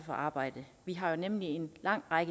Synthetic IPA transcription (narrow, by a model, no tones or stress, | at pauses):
fɒ̽ʔɑ̈ːb̥ɑ̈ɪ̰d̥əʋiɦɑ̈jo̝nemlie̝nlɑ̈ŋ̰ʁɑɡ̥ə